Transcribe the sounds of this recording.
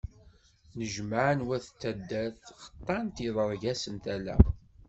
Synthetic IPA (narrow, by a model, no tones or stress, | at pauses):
nəʒməʕənwæθt͡s̪ːæd̪ːæθχə̥t̪ˤːɑnt̪iðˤəɾˤʝæsənt̪ælæ̰